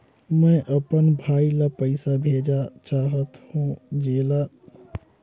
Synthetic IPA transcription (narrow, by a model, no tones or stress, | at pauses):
mɛ̃ʔəpənbʱaːilapəɪsabʱeːd͡ʒat͡ʃaːɦət̪hũd͡ʒeːla